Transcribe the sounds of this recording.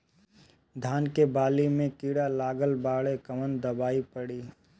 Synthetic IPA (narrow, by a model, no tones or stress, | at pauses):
d̪ʱaːnkebaːlimẽkiːɽalaːɡəlbaːɭekɐmənd̪ɐbaːipəɽiː